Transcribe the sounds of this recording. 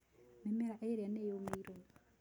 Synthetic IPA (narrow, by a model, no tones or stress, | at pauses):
memɛɾaʔeɾanejomeiɾon